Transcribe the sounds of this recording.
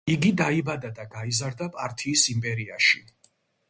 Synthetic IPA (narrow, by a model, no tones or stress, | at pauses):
iɡid̪aibad̪ad̪aɡaizaɾd̪apʼaɾt̪ʰiːsimpʼɛɾia̰ʃi